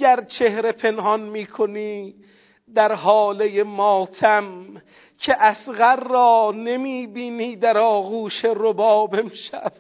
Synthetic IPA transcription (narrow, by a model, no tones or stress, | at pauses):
æɾt͡ʃʰehɾe̞pʰenɦɒnmiːkʰoniː | d̪æɾɦɒːlejemɒːt̪ʰæm | cʰeʔæsɣæɾːɒːne̞miːbiːniːd̪æɾɒːɣuːʃeɾobɒːbemʃæv